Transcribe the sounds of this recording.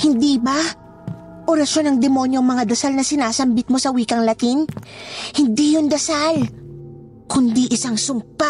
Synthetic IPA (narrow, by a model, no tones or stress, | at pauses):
hɪnd̪iba | ʔoɾɐʃo̞nɐŋd̪ɛmo̞njoŋmɐŋad̪ɐsalnɐsɪnaːsɐmbɪt̪̚mo̞sɐwiːkɐŋlɐt̪inhɪnd̪ijʊnd̪ɐsal | kʊnd̪iʔɪsaŋsʊmpa